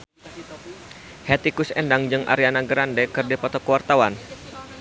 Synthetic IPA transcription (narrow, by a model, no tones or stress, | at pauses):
hɛt̪ikusɛndaŋd͡ʒɨŋʔa̰ɾianaɡəɾandɛkɨrdipɔt̪ɔkəwart̪awan